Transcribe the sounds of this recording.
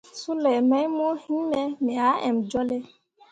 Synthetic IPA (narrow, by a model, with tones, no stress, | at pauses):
su˦lɛ˨mɛ˦jmo˦hi˦nɛ˦mi˨a˨˦ɛ̰˨md͡ʒɔ˦lɛ˦